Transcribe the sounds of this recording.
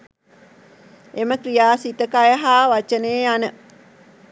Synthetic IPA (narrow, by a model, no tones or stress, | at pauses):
eməkrijaːsit̪əkajəɦaːʋat͡ʃəneːanə